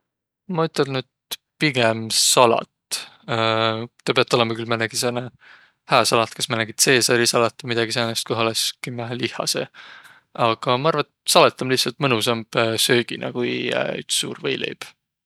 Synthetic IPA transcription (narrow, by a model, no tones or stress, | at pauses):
mɑyt̪ːˑelnyd̪̥̚ | piɡ̥emsɑlɑ̰t̪ː | t̪ɑpeɑt̪ːˑo̞lemɑkylmænæɡ̥isene | hæːsɑlɑt̪kɑsmɑnæɡ̥it̪se̞ːsɑlʲisɑlɑt̪ːˑɑmid̪̥ɑɡ̥iseːnest̪kuholeskimæɦælihˑɑ̰sḛ | ɑɡ̥ɑmɑɑrvɑt̪sɑlet̪ːˑɑmliht̪sɑlt̪mɤnusɑmb̥sø̞ːɡ̥inʔɑ̰ɡ̥uj̰y̰t̪sːṵːrvejlḛjb̥